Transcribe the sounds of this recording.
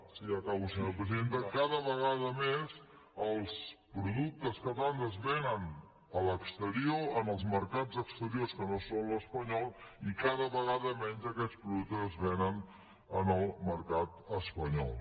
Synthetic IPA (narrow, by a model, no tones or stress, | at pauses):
siəkausirəpɾəzent̪əkaðəβəɣaðəmez | əlˠspɾuðuk̚t̪əskət̪and̪əzβɛnən | ələkst̪əɾioənəlˠzməɾkad͡zəkst̪əɾioskənosonləspəɲɔlˠikaðəβəɣaðəmɛnzəkɛt͡spɾuðuk̚t̪əzəzβɛnən | ənəlˠməɾkat̪əspəɲɔ̰lˠ